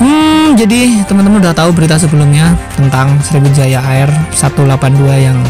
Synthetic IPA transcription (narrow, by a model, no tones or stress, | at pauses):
m̩d͡ʒadit̪əmənt̪əmanudaht̪aubəɾit̪as̬əbəlʊmɲat̪ənt̪aŋsəɾibud͡ʒajaːɪrsat̪ulapanduajaŋ